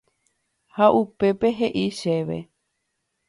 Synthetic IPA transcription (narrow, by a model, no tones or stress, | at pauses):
haʔupe̞pe̞ɦe̞ʔiʃe̞ʋḛ